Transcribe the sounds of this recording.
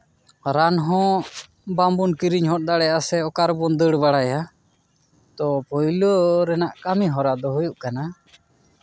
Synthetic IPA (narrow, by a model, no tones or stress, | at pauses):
ɾanɦɔ̃ | bambunkiɾiɲɦɔt̚d̪aɽɛjasɛɔkaɾbɔnd̪əɽbaɽaja | t̪ɔpɔjlɔɾɛnaʔkamiɦɔɾad̪ɔɦujuʔkana